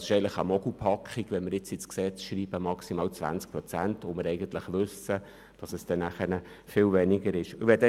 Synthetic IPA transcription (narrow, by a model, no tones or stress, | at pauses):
sɪ̥ʃɛɪn̩tləχəmɔɡupʰɑkχiɡʋɛnməɾjɪt͡sɪt͡skseːtʃriːb̥əmɑksimɑːlt͡sʋæ̰nt͡sk̚pɾɔt͡sæntomɪɾɛɪɡən̩t̪lɪχʋʉsə | d̥ɑsɛsd̥ɛnæχəɾnə | fɪlvɛnɪɡəɾɪʃʋɛdɛ